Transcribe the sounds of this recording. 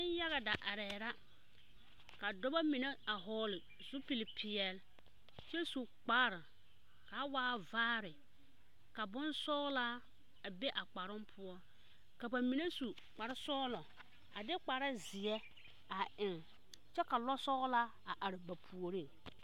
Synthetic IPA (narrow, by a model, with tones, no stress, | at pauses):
ɪ˦n˦ja˦ɣa˨da˨ʔa˨ɾɛː˨ɾa˦ | ka˨dɔ˦ba˦mɪ˨nɛ˦a˨ɦɔː˦lɪ˨ | zʊ˦pi˨lɪ˨pʰɪ˨ɛ˨l | t͡ʃɛ˦su˨k͡paː˦ɾa˨ | ka˨˦waː˦vaː˦ɾɪ˨ | ka˨bʊ˦nsɔ˦ɣla˦ | a˨be˦ʔa˨k͡pa˨ɾʊ˦mpʰʊ˦ɔ˦ | ka˨ba˨mi˨ne˦su˨ | k͡pa˨ɾɪ˦sɔː˦lɔ˨ | a˨dɪ˦k͡pa˨ɾa˦zɪ˨ɛ˦ | a˨ɪ˨ŋ | t͡ʃɛ˦ka˨lɔ˦sɔ˦ɣla˦ | a˨ʔa˨ɾɪ˨ba˨pʰu˨o˨ɾi˦